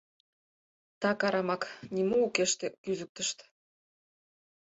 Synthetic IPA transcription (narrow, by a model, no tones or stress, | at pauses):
t̪ɑkɑɾɑmɑknʲimuukeʃt̪ekyzuk̚t̪əʃt̪